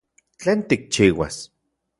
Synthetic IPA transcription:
t͡ɬeːnt̪ik̚t͡ʃiːwa̰s

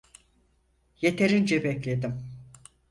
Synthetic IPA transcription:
je̞t̪ʰe̞ɾind͡ʒɛbɛclʲe̞d̪im

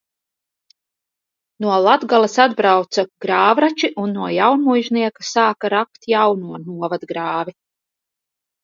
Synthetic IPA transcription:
nuɔlˠad̪ɡalˠasad̪bɾawt̪saɡ̥ɾaːvɾat͡ʃiʔunːuɔjawnmujʒniɛkasaːkaɾakt̪jawnuɔnuɔvad̪ɡɾaːvi

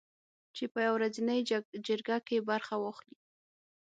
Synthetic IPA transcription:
t͡ʃepəjawɾazinəjd͡ʒəɾɡakebaɾxawaxli

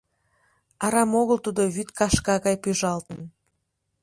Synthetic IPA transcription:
ɑɾɑmoɣəlt̪ud̪oβyt̪kɑʃkɑɣɑjpyʒɑlt̪ən

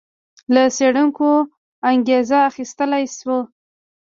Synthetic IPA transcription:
ləseɽuŋko | aŋɡezaːxist̪əlajswə

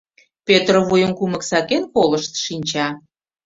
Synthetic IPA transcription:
pøt̪rovujəmkuməksɑkenkoləʃt̪ʃinʲt͡ɕɑ

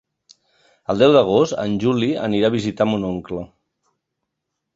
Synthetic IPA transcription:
əlˠd̪ɛwðəɣ̞ost̪ə̰nʲʒuliə̰niɾaβizit̪amunoŋklə

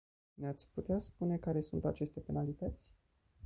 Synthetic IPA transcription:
neat̪sʲput̪easpune̞kaɾe̞sṵnt̪at͡ʃe̞st̪e̞pe̞nalit̪ət̪sʲ

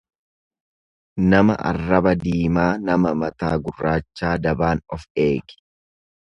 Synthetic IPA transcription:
nɐmɐ̰ʔɐ̰rːɐbɐd̪iːmaːnɐmɐmɐt̪aːɡʊrːaːt͡ʃːaːd̪ɐbaːnɔfe̞ːɡɪ̥

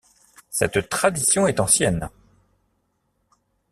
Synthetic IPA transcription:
sɛt̪t̪χad̪isjɔ̃ɛt̪ɑ̃sjɛn

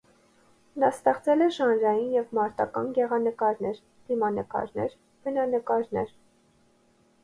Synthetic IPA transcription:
nɑst̪ɛχt͡sɛlɛʃɑnɾɑjinjɛvmɑɾt̪ɑkɑ̰nɡɛʁɑnəkɑɾnɛɾ | d̪̥imɑnəkɑ̰ɾnɛɾ | b̥ənɑnəkɑɾnɛɾ

